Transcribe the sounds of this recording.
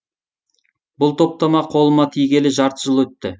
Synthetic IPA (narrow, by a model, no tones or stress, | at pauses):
bʊlˠt̪ʰo̞p̚t̪ɑmɑqʰo̞lˠəmɑt̪ʰijɡʲe̞lɪʒɑɾt̪əʒəlˠwɵt̪ːɪ